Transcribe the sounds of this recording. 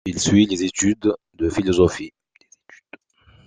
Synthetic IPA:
ilsɥilezet̪yd̪ | d̪əfilɔzɔfi | eet̪y̥d̪̥

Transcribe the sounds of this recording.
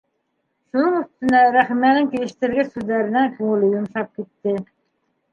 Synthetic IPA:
ʃunɨŋyst̪ynæɾæχmænɪŋkʲelɪʃt̪ɪɾɡʲæsøzlæɾɪnækʰoŋɪlɪjumʃɑp̚kʲʰet̪ːɪ

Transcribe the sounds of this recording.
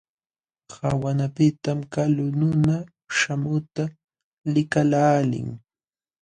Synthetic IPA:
hawanapɪt̪amkalʊnʊna | ʃamʊt̪a | lɪkalaːlɪ̰ŋ

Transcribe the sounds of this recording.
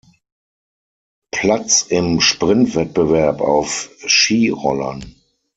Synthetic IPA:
pʰl̥at͡sɪmʃpʁ̥ɪntv̥ɛt̚b̥əvɛɐpa̰ʊfʃiːʁɔ̰lɐ̰n

